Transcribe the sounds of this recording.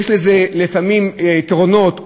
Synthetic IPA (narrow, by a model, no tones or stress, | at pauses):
ʃlezelifamimt̪ʁono̞t̪